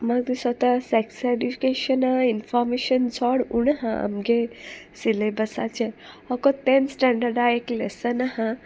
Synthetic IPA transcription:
məɡ̚d̪isət̪asɛkseɖifi̥keʃənainfɔɾmeɕənt͡sʰɔɽuɳɦãa̰mɡe | silebəsa̰t͡ɕe | hɔkot̪ensʈɛɳɖəɾɖaeklḛsənahã

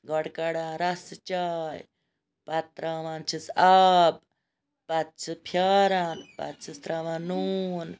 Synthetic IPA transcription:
ɡɔɽkɐɽãːnɾɐst͡ʃaːj | pɐt̪ːɾaːʋãːnt͡ʃʰisab̚ | pɐt̪̚t͡ʃʰɨpʰjaːɾaːnpɐ̰t̪t͡ʃʰist̪ɾaːʋãːnuːn

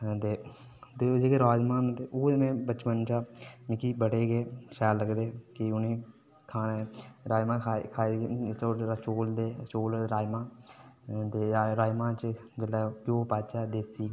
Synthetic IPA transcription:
t̪eː | t̪ed͡ʒeːkeɾaːd͡ʒmaːnt̪eʔoːemẽːbət͡ʃmənt͡ʃaːmɪkiːbəɽeːɡeːʃaːlːəɡd̪eːkɪʊnẽː | kʰaːneːɾaːjmãːkʰaːit͡ʃot͡ʃoːld̪eːt͡ʃoːlɾaːjmãː | t̪eːɾaːmãːt͡ʃd͡ʒəlaːkjõːpaːt͡ʃaːd̪eːsiː

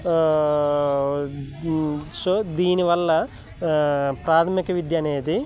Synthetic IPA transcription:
sod̪iːniʋɐlːɐ | pɾaːt̪ʰɐmikɐʋid̪jaːneːt̪i

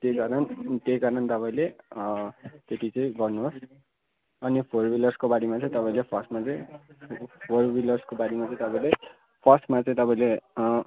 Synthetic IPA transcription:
t̪ekaɾʌnt̪ejkaɾʌnt̪ʌpaĩle | t̪et̪ʰit͡sʌ̃ĩɡʌrnuɦos | ʌnipʰorbilʌrskobaɽimat͡sʌ̃ĩt̪ʌpaĩlepʰʌsmat͡sʌ̃ĩ | pʰorbilʌrskobaɽimat͡sʌ̃ĩt̪ʌpãĩle | pʰʌsmat͡sʌ̃ĩt̪ʌpãĩle

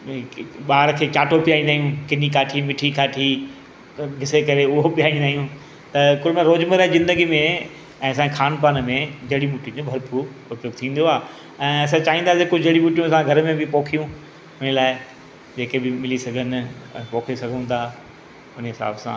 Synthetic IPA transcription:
ɓaːɾkʰeːt͡ɕaːʈopijaːĩnd̪aːɦijũkɪnikaːʈʰimɪʈʰikaːʈʰi | ɦɪsekɐɾeʊɦopijaːĩnd̪aːɦijũ | t̪ɐkʊlmẽɾoːd͡ʑməɾ̃zɪ̃nd̪əɡimẽ | ɛ̃ːɐs̬ãxʰaːnpaːnmẽd͡ʑɐɽimuːʈĩd͡ʑõbʱɐɾpuɾʊpjoːɡ̚t̪ʰĩːn̆d̪oaː | ɛ̃ːɐs̬ãt͡ɕaːɦĩnd̪aːs̬iekʊd͡ʑɐɽimuːʈijũɐsãɡʱɐɾmẽbɪpoːkʰijũ | ʊnəlaːɪ | d͡ʑeːkebɪmɪlisɐɡʱənɛ̃ːpoːkʰesɐɡʱə̃nd̪aː | ʊnəɦɪsa̰ːbsã̰ː

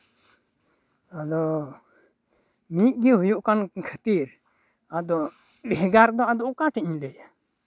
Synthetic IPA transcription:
ad̪ɔ | mit̪̚ˀɡɛɦujuʔkankʰət̪iɾ | ad̪ɔ | bɛɡaɾd̪ɔad̪ɔʔkãʈɛɲ̃lɛja

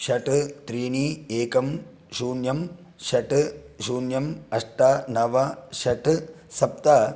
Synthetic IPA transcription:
ʃɐʈɨt̪ɾiːnieːkɐm | ʃuːnjɐm | ʃɐʈɨ | ʃuːnjɐmɐʂʈaːnɐʋɐʃɐʈɨ | sɐp̚t̪a

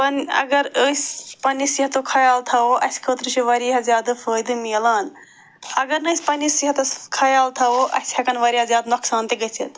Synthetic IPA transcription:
pɐnɐ̰ɡɐɾəspɐnːisiɐt̪okʰɐjaːlt̪ʰɐoʔɐskʰəːt̪ɾɨt͡ʃʰiʋɐɾiɦɐzjaːd̪ɨpʰəːjd̪ɨmiːlaːn | ɐɡɐɾnəsʲpɐnisiɦɐt̪ɐkʰɐjaːlt̪ʰɐoʔɐ̰shɐkɐnʋɐɾiazjaːd̪noksaːnt̪iɡɐt͡ʃʰḭt̪

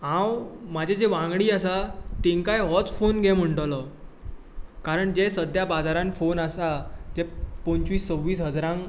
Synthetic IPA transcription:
ɦãwmad͡ʑʱed͡zeʋãŋɡɽiːasat̪iŋkajɦɔt͡sfonɡʱɛm̤əɳʈəlɔ | kaɾəɳd͡ʑesəd̪ʱjabad͡zaɾãnfonasad͡ʑɛpɔ̃ɲt͡ɕʋiːst͡səwʋːiːsɦəd͡zɾãŋ

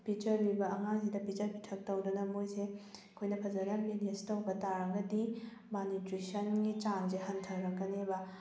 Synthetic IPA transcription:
pit͡ʃɐɾbibɐɐŋaŋsidɐpit͡ʃɐɾpitʰɐk̚tɐwdunɐmojsekʰojnɐpʰɐzɐdɐminestɐwbɐtaɾɐɡɐdi | manitɾisɐnɡit͡ʃanzehɐntʰɐɾɾɐkːɐnebɐ

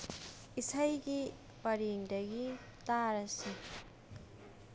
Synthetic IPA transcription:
isajɡi | pɐɾiŋdɐɡi | taɾɐsi

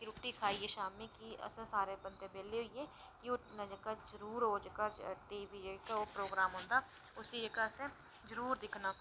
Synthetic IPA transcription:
ɾuːʈiːkʰaːiːeːʃaːmẽːkiə̰sãːsaːɾeːbənt̪ẽːbeːleːɦoieː | kɪoːnəd͡ʒəkaːzəɾuːɾɦoːd͡ʒəkaʈiːbiːd͡ʒəkaoːpɾoːɡɾaːmɦõːnd̪aː | ʊsiːd͡ʒəɡasẽ | zəɾuːɾd̪ɪkʰnaː

